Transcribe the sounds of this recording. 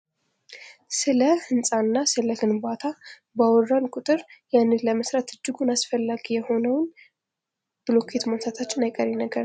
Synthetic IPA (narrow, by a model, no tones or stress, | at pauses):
sɨləhɨnsʼanːasɨləkɨnbat̪ʰa | bawɔrankʼʊt̪ʼɨɾjanːɨləməsɾat̪ʰɨd͡ʒːɪɡunasfəlːaɡijɛho̞nəwn | b̥ɨlo̞kʰet̪mansʰat̪ʰat͡ʃːɪnajkʼəɾɛnəɡəɾ